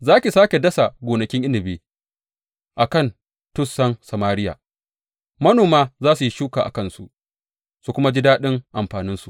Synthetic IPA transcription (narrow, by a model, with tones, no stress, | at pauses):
zaː˦kʲi˨saː˦kʲe˨dɐ˦sa˨ɡʷoː˨nɐ˨kʲɪ˦ŋʔɪ˦nɪ˨beː˨˦ | ʔa˨kɐ˦˨n | tʊ˦sɐ˦nsɐ˨maː˦ɾɪ˦ja̰ː˨ | mɐ˦noː˨maː˦zaː˦su˨ji˦ʃuː˦kaː˨ʔa̰˨kɐ˦nsu˨ʔ | su˨kʷʊ˦ma˦d͡ʒɪ˦daː˦ɗɪ˦ŋʔa˨mɸaː˨nɪ˦nsu˨